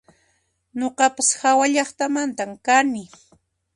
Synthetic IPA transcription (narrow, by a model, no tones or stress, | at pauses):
ɲoqɑpashawaʎɑχt̪amant̪amkanɪ